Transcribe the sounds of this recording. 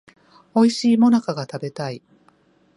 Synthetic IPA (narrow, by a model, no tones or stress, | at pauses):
o̞iɕiːmo̞nakaɡat̪abe̞t̪ai